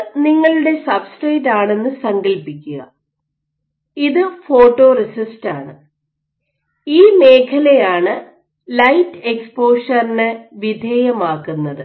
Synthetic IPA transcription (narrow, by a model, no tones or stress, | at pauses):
niŋːɐɭuɽe̞sɐbsʈeːtːaːɳe̞nːɨsɐŋɡɐlpikʲːuɣɐ | iðɨfo̞ːʈːo̞ːrisistaːɳɨ | iːme̞ːkʰɐlɐjaːɳɨ | lɐjtːekspo̞ːʂɐrinɨʋid̪ʱeːjɐmaːkːunːɐðɨ